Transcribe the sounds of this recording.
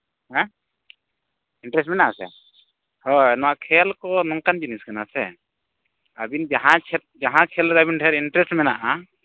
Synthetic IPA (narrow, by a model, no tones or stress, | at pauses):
hɛ̃ | inʈɾɛs̬ʈmɛnaʔasɛ̰ | hɔnɔwaʔkʰɛlkɔnɔŋkand͡ʒiniskanasɛ | abind͡ʒaɦãt͡ʃʰɛt̪̚d͡ʒaɦãkʰɛlɾabinʈʰɛɾinʈɾɛsʈmɛna̰ʔa